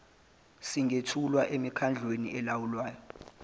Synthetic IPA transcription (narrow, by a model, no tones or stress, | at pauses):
siŋʱetʰulwaʔemikʰand͡ɮʱweniɛlawulwaːjɔ